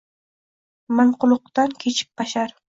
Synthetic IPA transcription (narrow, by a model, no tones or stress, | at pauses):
maɴqʊlˠʊq̚t̪ankʲʰet͡ʃʰɪ̥p̚baʃaɾ